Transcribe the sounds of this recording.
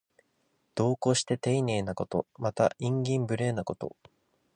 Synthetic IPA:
d̪̥o̞ːko̞ɕi̥t̪e̞t̪e̞inʲe̞ːnako̞t̪o̞̰mat̪aʔĩŋɡʲĩmbɯ̟ɾe̞ːnako̞t̪o̞̰

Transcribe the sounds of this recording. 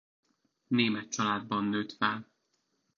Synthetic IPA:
neːmɛt̪t͡ʃɒlaːd̪̚bɒnːøːt̪fɛl

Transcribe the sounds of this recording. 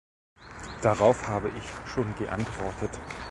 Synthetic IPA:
d̥aʁaʊfhaːbəʔɪçʃoːnɡəʔa̰ntv̥ɔɐtʰət

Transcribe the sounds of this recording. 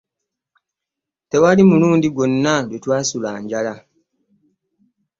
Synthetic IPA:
tewalimuluːndiɡwo̞nːaɡwetwaːsulaːɲɟala

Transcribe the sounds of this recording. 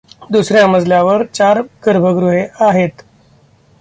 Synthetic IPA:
d̪usɾjaməd͡zljaʋəɾt͡ɕaɾɡəɾbʱəɡɾuɦeaɦet̪

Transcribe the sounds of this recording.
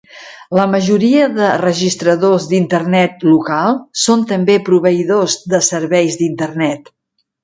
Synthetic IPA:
ləməʒuɾiəðərəʒist̪ɾəðozd̪int̪ərnɛt̪lukalˠsont̪əmbepɾuβəiðozðəsəɾβɛjzd̪int̪ərnɛt̪

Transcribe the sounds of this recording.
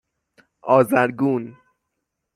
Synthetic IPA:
ʔɒːzæɾɡuːn

